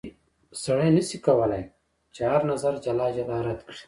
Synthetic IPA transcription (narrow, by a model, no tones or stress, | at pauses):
sɐɽeːnɐsikɐwɐlaj | t͡ʃeɦɐɾnɐzɐɾd͡ʒɐlaːd͡ʑɐlaːɾɐt̪kɽi̥